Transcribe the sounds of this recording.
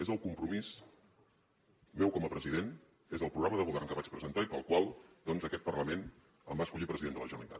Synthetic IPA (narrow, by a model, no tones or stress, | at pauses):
ezəlˠkumpɾumiz | mɛwkɔməpɾəziðen | ezðəlˠpɾuɣɾaməðəɣuβɛrŋkəβat͡ʃpɾəzənt̪aipəlˠkwalˠd̪ɔnzəkɛt̪̚pərləmen | əmbaəskuʎipɾəziðend̪ə̰ləʒənəlit̪a̰t̪